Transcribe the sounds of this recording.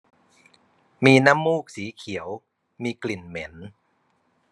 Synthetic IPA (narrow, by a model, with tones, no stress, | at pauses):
miː˧na˦˥mːuː˥˩k̚siː˩˦kʰi˩˦əw | miː˧kli˨˩nme˩˦n